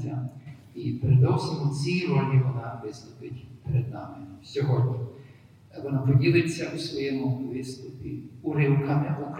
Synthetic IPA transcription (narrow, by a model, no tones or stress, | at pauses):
ɐ | ipeɾɪd̪ɔwsɪmʊt͡sʲiɾɔlʲiʋɔnɑʋɪst̪ʊpɪtʲpeɾed̪nɑ̰mɪsʲɔɦɔdʲɲʲi | ʋɔnapɔdʲilˠet͡sʲːɐusʋɔjɛmʊʋɪst̪ʊpʲiʊɾɪwkɐmɪʔɔk